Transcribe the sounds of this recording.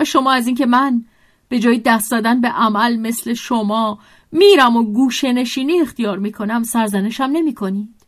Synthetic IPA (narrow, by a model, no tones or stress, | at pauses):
ʃo̞mɒːæziːncʰe̞mæn | b̥e̞d͡ʒɒːjid̪æst̪d̪ɒːd̪ænbe̞ʔæmælme̞sle̞ʃomɒː | miːɾæmoɡuːʃene̞ʃiːniːe̞xt̪ijɒːɾmiːkʰo̞næmsæɾzæne̞ʃæmne̞miːkʰo̞niːd̪̥